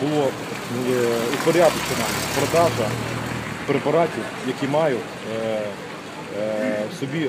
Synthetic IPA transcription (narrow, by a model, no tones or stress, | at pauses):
bʊlˠɔ | ʊpɔɾʲad̪ʊt͡ʃenɐpɾɔd̪ɑʒɐ | pɾepɐɾɑtʲiw | jɐkʲimɑjʊ | sɔbʲi